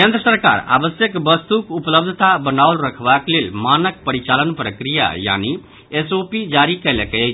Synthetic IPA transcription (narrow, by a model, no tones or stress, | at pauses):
kend̪ɾəsəɾka̰ɾa̰bəsjəkbəst̪ukupləb̚d̪ʱət̪abənaulɾəkʰbaklelmanək̚pəɾit͡ʃalənpɾəkɾija̰ja̰ni | esopid͡ʒaɾikəjlekət͡ʃʰ